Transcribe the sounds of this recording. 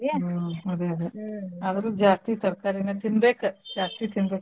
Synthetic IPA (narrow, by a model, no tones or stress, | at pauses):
ɐd̪eɐd̪eɐʋɐɾud͡ʒaːst̪it̪ɐɾkaːɾinɐt̪inbeːkɨd͡ʒaːst̪it̪inbek